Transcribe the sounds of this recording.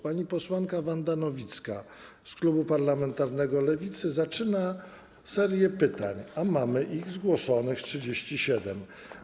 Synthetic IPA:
paɲipɔswaŋkavand̪anɔvʲit̪ska | sklubupaɾlamɛnt̪aɾnɛɡɔlɛvʲit̪sɘzat͡ʂɘna | sɛɾʲjɛpɘt̪a̰ɲamamɘʔiɣzɡwɔʂɔnɘxtʂɘd͡ʑeɕt͡ɕiɕɛd̪ɛm

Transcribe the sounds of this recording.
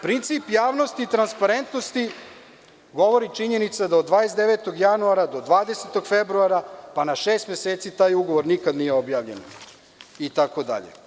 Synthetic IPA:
pɾint̪siːpjaːʋnost̪iːt̪ɾanspaɾe̞nt̪nost̪i | ɡo̞ʋo̞ɾit͡ʃiɲe̞nit̪sad̪aod̪ʋaːjesd̪eʋet̪o̞ɡjanuaɾad̪o̞d̪ʋaːd̪e̞set̪o̞ɡfebɾuaɾapanaʃeːst̪mjeseːt̪sit̪aːjuɡoʋoɾnikad̪nijeobjaːʋʎe̞̰n | it̪akod̪a̰ʎḛ

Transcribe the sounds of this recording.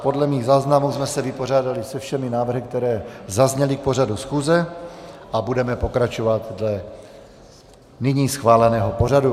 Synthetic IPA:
po̞dlɛmiːɣzaːznamuːzmɛsɛvɪpo̞r̝aːdalɪsɛfʃɛmɪnaːvr̩ɦɪk̚t̪ɛɾɛːzazɲɛlɪk̚po̞r̝adusxuːzɛ | ʔabudɛmɛpo̞kɾat͡ʃo̞vat̪dlɛ | nɪɲiːsxvaːlɛnɛːɦo̞po̞r̝adu

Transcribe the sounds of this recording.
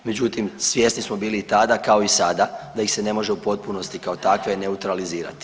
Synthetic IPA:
med͡ʑut̪imsʋʲje̞snismo̞biːliːt̪ad̪akao̞isad̪ad̪ajixse̞ne̞mo̞ʒeupo̞t̪̚puno̞st̪ikao̞t̪akʋe̞ne̞ut̪ɾaliziːɾa̰t̪i̥

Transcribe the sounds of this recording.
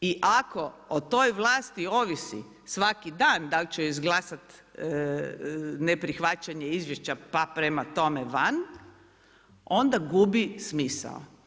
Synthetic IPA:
iʔako̞ot̪o̞jʋlˠaːst̪io̞ʋisḭ | sʋakid̪aːnd̪alt͡ɕeizɡlˠaːsat̪ | nepɾixʋat͡ɕaɲeizʋjeʃt͡ɕapapɾemat̪o̞meʋan | o̞nd̪aɡubismiːsa̰o̰

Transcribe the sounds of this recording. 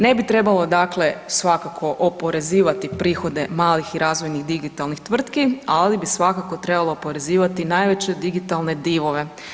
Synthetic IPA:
ne̞bit̪ɾe̞balˠo̞d̪akle̞sʋakakʰo̞ʔopo̞ɾe̞ziːʋat̪ipɾiːxo̞d̪e̞maːlixiɾʔaːzʋojnixd̪iɡit̪alˠnixt̪ʋr̩t̪kialibisʋakako̞t̪ɾe̞balˠoːpo̞ɾe̞ziːʋat̪inaːjʋet͡ɕed̪iɡit̪alˠne̞d̪iːʋo̞ʋe̞

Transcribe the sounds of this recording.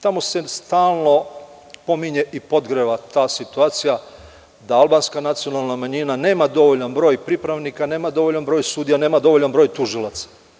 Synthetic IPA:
t̪amo̞se̞st̪aːlˠno̞ | po̞miɲe̞ʔipo̞d̪ɡɾeʋat̪aːsit̪uaːt̪sija | d̪aalˠbaːnskanat̪sijo̞nalˠnamaɲinane̞ːmad̪o̞ʋoʎanbɾo̞ːjpɾipɾaʋnikane̞ːmad̪o̞ʋo̞ʎanbɾoːjsuːd̪ijane̞ːmad̪o̞ʋo̞ʎanbɾo̞jt̪uʒilˠat̪sḁ

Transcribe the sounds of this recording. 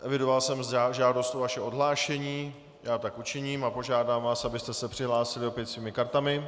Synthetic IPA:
ʔɛvɪdo̞valsɛmzaʒaːdo̞st̪ovaʃɛʔo̞dɦlaːʃɛɲiː | jaːt̪akut͡ʃɪɲiːmapo̞ʒaːdaːmvaːsabɪst̪ɛsɛpr̝̥ɪɦlaːsɪlɪo̞pjɛt̪sviːmɪkaɾt̪amɪ

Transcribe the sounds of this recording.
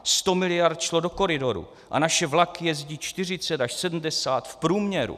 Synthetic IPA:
st̪o̞mɪlɪjaɾt̪ʃlodo̞ko̞ɾɪdo̞ɾṵ | ʔa̰naʃɛvlakjɛzɟiːt͡ʃt̪ɪr̝ɪt͡sɛt̪aʃsɛdm̩dɛsaːt̪fpɾuːmɲɛɾṵ

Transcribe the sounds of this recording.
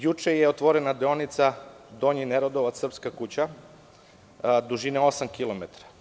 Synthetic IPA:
jut͡ʃejeot̪ʋo̞ɾenad̪eonit̪sa | d̪o̞ɲineɾod̪oʋat̪ːr̩pskakut͡ɕa | d̪uʒineo̞samkilo̞met̪ɾḁ

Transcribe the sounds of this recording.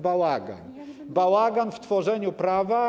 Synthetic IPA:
bawaɡa̰n | bawaɡanft̪fɔʐɛɲupɾava

